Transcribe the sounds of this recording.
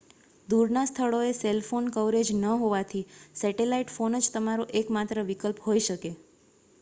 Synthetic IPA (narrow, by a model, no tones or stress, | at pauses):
d̪uɾnast̪ʰəɭoeselfonkəʋɾed͡ʒnəɦoʋat̪ʰisɛʈelaiʈfonəd͡ʒt̪əmaɾoʔekmat̪ɾəʋikəlpɦoiʃəke